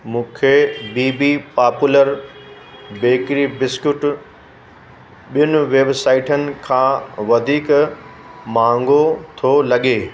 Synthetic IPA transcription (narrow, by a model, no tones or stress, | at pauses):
mũːkʰebiːbipaːpʊləɾ | beːkɾibɪskʊʈ | ɓijʊnɪ̆ʋeːbsaːɪʈənɪ̆kʰãːʋɐd̪ʱiːk | mãːŋɡot̪ʰolɐɠeː